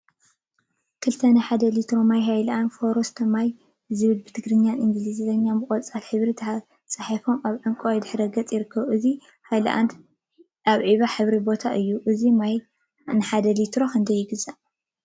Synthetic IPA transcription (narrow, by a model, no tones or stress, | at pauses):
kʰɨlt̪ʰɐnɨħad̪ɐlit̪ɾo̞majɦajlɐʔanfo̞ɾost̪ʰɐmaj | zɨβɨlbɨt̪ʰɨɡɾɨɲːjaniŋɡɨlizzɐɲːanbɨkʼot͡sʼalħɨβɾit̪ʰ | t͡sʼaħafo̞maβʕɨŋkʼojd̪ɨħɾɐɡɐt͡sʼjɪɾɨkʰːɐβʔɨzi | hajlɐ̰ʔa̰n | aβʕiβaħɨβɾibo̞t̪ʰaʔɨjːuʔɨzimaj | nɨħad̪ɐlit̪ɾo̞kʰɐnd̪ɐjːɪɡɨzaʔ